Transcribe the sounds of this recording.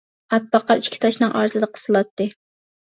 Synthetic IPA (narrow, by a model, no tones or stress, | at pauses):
ɑt̪̚bɑqɑɾiʃkʲi̥t̪ʰɑʃnɨŋʔɑ̰ɾzɨd̪əqʰə̥sɨlˠɑt̪ːɨ